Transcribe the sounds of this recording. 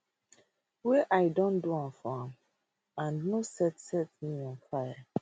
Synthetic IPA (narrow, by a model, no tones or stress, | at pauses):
weʔajdɔ̃nduãmfɔãm | ãnnosɛtsɛtnĩɔ̃nfaja